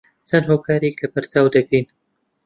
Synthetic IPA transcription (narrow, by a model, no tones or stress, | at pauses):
t͡sʰɐnɦoːkʰaːɾeklɐbɐɾt͡saːwd̪ɐɡɾin